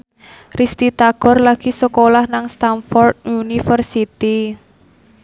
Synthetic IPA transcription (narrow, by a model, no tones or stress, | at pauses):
rist̪it̪aɡ̥ɔ̤rlaɡ̥i̤səkolahnaŋst̪anfɔrd̪̚unifərsit̪i